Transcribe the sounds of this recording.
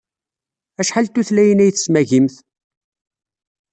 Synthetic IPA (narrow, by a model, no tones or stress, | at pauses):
æʃħalt̪ːuθlæjənæjθəsmæʝimθ